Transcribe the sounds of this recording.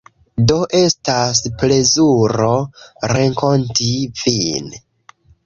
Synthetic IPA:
do̞ʔe̞stasple̞zuɾo̞ɾe̞ŋko̞ntivin

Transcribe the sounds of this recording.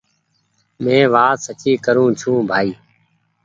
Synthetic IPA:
mẽːʋaːsət͡ʃiːkəɾũːt͡ʃʰũːbʱaːiː

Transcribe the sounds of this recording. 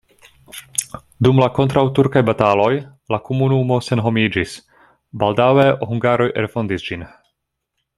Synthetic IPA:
dumlako̞ntɾawtuɾkajbatalo̞jlakomunumo̞se̞nɦo̞mid͡ʒis | baldaweʔohuŋɡaɾo̞jʔelfo̞ndisd͡ʒin

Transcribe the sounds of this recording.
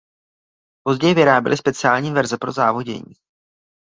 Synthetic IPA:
po̞zɟɛjɪvɪɾaːbɛ̰lɪspɛt͡sɪaːlɲiːvɛɾzɛpɾo̞zaːvo̞ɟɛ̰ɲḭː

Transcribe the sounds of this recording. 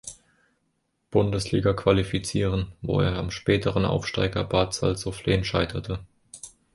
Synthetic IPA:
b̥ʊndəsliːɡɐkv̥alifit͡siːʁənvo̰ːḛːɐamʃpɛːtʰəʁənʔa̰ʊfʃta̰ɪɡɐbaːtt͡sa̰lzofleːənʃaɪtʰɐtʰə

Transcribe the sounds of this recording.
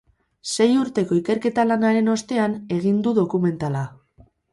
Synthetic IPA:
se̞juɾt̪e̞ko̞ike̞ɾke̞t̪alanaɾe̞no̞st̪e̞ane̞ɣ̞ind̪uðo̞kume̞nt̪ala

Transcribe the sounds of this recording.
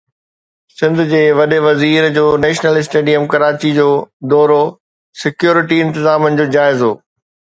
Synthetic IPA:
sɪ̃nd̪ʱʊd͡ʑeːʋɐɗeʋɐziːɾd͡ʑoːnɛːʃnəlɪsʈeːɖijəmkɐɾaːt͡ɕid͡ʑoːd̪ɔːɾo | sɪkjoːɾɪʈiɪ̃nt̪ɪzaːmənɪ̆d͡ʑoːd͡ʑaːɪzoː

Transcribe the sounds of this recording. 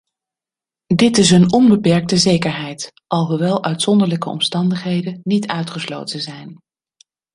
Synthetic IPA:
dɪtɪs̬ɦənɔnbəpɛɹk̚təzejkəɹɦɛjt | ʔɑlˠɦuʋɛlˠʔœɥtsɔndəɹləkəɔ̰mstɑndəχɦejdənnitʰœɥtχəslo̰wtənzɛjn

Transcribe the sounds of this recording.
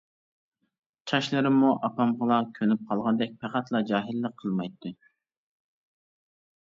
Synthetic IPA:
t͡ʃʰɑʃlˠɨɾɨmuʔɑpɑmʁəlˠɑkʲʰønyp̚qʰɑlˠʁɑnd̪ɛk̚ʲpʰæqæt̪lˠɑd͡ʒɑːɦɨlːəqʰːəlˠmɑjt̪ʰːu

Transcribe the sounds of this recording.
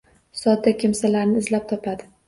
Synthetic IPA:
sɒd̪ːakʲʰɪmsalaɾnɪːzlap̚t̪ʰɒpʰad̪ɪ

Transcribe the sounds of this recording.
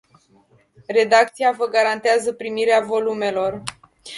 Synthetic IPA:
re̞d̪ak̚t̪sijavəɡaɾant̪eazəpɾimiɾeavo̞lume̞lo̞r

